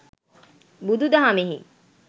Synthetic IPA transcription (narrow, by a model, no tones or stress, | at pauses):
bud̪ud̪aɦameɦḭ